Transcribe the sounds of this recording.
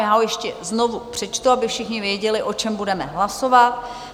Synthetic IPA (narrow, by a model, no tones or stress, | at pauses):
jaːojɛʃcɛzno̞vupr̝̥ɛt͡ʃt̪uabɪfʃɪxɲɪvjɛɟɛlɪʔo̞t͡ʃɛmbudɛmɛɦlaso̞vat̪̚